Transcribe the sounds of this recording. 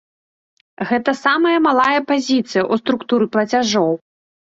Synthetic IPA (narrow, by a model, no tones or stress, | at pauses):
ɣɛt̪ɐsamɐjɐmalˠajɐpazʲit̪sɨjɐʔust̪ɾukt̪uɾɨplˠɐt͡sʲaʐɔw